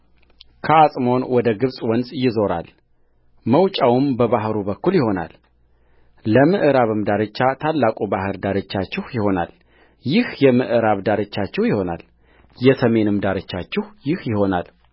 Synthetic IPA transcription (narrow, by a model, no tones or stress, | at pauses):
kʰəasʼmo̞nwɔd̪əɡɨβsʼwɔnsʼjɪzo̞ɾa̰l | məwt͡ʃʼawɨmbəβaɦɾubəkːuljɪho̞na̰l | ləmɨʔɨɾaβɨmd̪aɾɨt͡ʃːat̪ʰalːakʼubahɨɾd̪aɾɨt͡ʃːat͡ʃːɪhjɪho̞na̰l | jɪhjɛmɨʔɨɾaβd̪aɾɨt͡ʃːat͡ʃːɛhjɪho̞na̰l | jɛsəme̞nɨmd̪aɾɨt͡ʃːat͡ʃːɛhjɪhjɪho̞na̰l